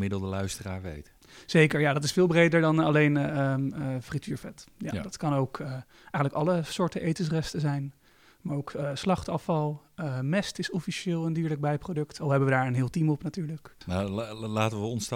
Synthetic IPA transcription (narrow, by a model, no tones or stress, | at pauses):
mɪdəlˠdəlœɥstəraːɹʋḛjt | z̥ejkəɹjadɑtɪsfɪːlˠbrejdəɹdɑnɑlejn | frityːɹfɛtja̰dɑtkɑnowk | ɛjχəntləkɑləsʊːɹtəʔejtəsrɛstəzɛjn | maːɹowkslɑχtɑfɑlˠəmɛstɪsɔfiʃɪːlˠɛndiːɹlək̚bɛjprowdɵktɑlˠɦɛbəʋədaːɹənɦɪːlˠtimɔpnatyːɹləknalaːtəʋəɔns